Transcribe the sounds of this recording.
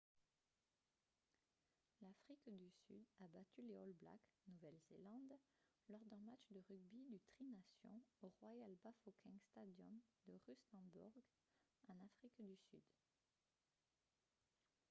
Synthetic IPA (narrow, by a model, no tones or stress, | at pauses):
lafχikd̪ysy̰d̪abat̪yleɔlbla̰knuvɛlzelɑ̃d̪ | lɔʁd̪ɛ̃mat͡ʃd̪əʁyɡ̚bid̪yt̪χinasjɔ̰̃oʁwajalbafokʰɛ̃st̪ad̪jɔmd̪əʁysɑ̃bṵʁɡ | ɑ̃nafχikd̪ysy̰d̪